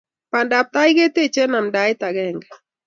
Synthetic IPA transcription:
pa˨nda˨p̚t̪a˦jɡe˦te˦t͡ʃɛ˦na˨mda˨˦ɪ˦ta˨ɡɛ˦˨ŋɡɛ˨

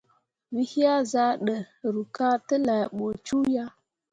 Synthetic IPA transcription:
wi˦hi˦ja˦za˦ɗə˨ | ɾu˨ka˦tə˦la˨jɓo˨t͡ʃu˦ja˦

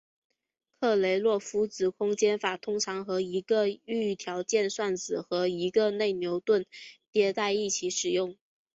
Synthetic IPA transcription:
kʰɤ˥˩le˧˥ɪlwɔ˥˩fu˧˥t͡sɹ̩˨˥kʰʊ˥ŋt͡ɕjɛ˥nfa˨˩t̪ʰʊ˥ŋʈ͡ʂʰɑ˧˥ŋxɤ˧˥i˧˥ɡə˧y˥˩t̪ʰjɑ˧˥ʊt͡ɕjɛ˥˧nswa˥˩nt͡sɹ̩˨˩xɤ˧˥i˧˥ɡə˧ne˥˩ɪnjo˧˥ʊt̪wə˥˩nt̪jɛ˧˥t͡sa˥˧ɪi˥˩t͡ɕʰi˧˥ʂɻ̩˨˩jʊ˥˩ŋ

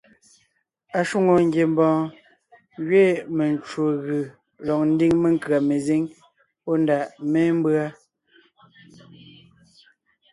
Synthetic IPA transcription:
a˨ʃu˦˨ŋo˨ŋ̩˦ɡje˨mbɔ̃ː˨ | ɣɥeː˦˨me˨n˨t͡ʃwo˨ɣɯ˨ | lɔ˨k̚n̩˦di˦ŋme˨ŋka˨me˨zi˦ŋ | pɔ˦n˦da˨ʔmɛ˦m˦bɰa˦

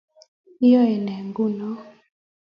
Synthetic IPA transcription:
i˦jɔ˦ɛ˨nɛ˨ŋɡu˦nɔ˦

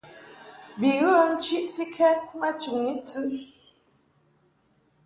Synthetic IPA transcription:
bi˨ɣə˦n̩˦t͡ʃi˦ʔti˦kʰɛ˦nma˦t͡ʃu˨ŋi˦t͡sɨ˦

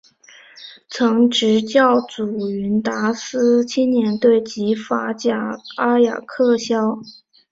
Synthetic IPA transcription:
t͡sʰɤ˧˥ŋʈ͡ʂɻ̩˧˥t͡ɕjɑ˥˩ʊt͡su˨˩y˧˥nt̪a˧˥sɹɹ̩˥t͡ɕʰi˥nnjɛ˧˥nt̪we˥˩ɪt͡ɕi˧˥fa˧˥t͡ɕja˨˩a˥ja̰˨˩kʰɤ˥˩ɕjɑ˥ʊ

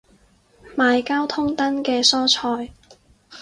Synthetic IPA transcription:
maː˨˧jkaː˥wt̪ʰʊ˥ŋt̪ɐ˥nkɛː˧sɔː˥t͡ʃʰɔː˧j

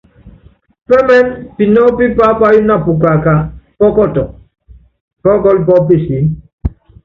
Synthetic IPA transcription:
pɛ˦mɛ˦npi˨nɔ˦pi˦pa˦pa˦ju˦na˦˨pu˨ka˨ka˨pɔ˦kɔ˦˨tɔ˨ | kɔ˦kɔ˦lp̬ɔ˦pe˦˨si˨˦

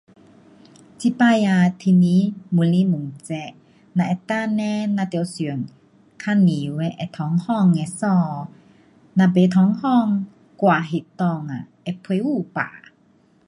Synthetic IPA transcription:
t͡si˧˦pa˧˨ja˧t̪ʰi˧˨ni˧˦mu˧˨li˧˦mu˨ŋt͡sɛ˧ʔ | na˧ʔɛ˧˩t̪a˥˧˨nɛ˧˦na˧t̪ɛ˧˦wsy˨˩ə˨ŋ | kʰa˧˥˨ni˨wɛ˧˦ʔɛ˧t̪ʰɔ˨˦ŋhɔ˥˨ŋːɛ˧˨sɔ˧ | na˧be˨˦t̪ʰɔ˨˧˦ŋhɔ˥˨ŋ | kwaː˨ɦe˧˨t̪ɔ˧ŋa˨ʔɛ˧˨pʰuː˥˧˩pa̰ː˨

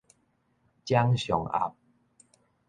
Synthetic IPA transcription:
t͡ɕja˦ŋɕjɔ˨˩ŋa̰˨˩p̚

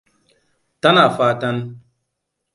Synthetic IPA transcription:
ta˦na˨faː˨ta˦n˦

